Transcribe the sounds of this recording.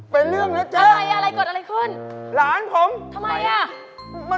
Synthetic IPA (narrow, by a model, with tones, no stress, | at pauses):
pe˧nlɯ˥˩əŋna˦˥t͡ɕəaː˦˧ma˧jʔa˧ɾa˧jkɔː˨˩t̪̚ʔa˧a˧jkʰɯ˧˥˩nlaː˩˦npʰo˨˦mt̪ʰa˧mːa˧jʔa˧˩ | ma˧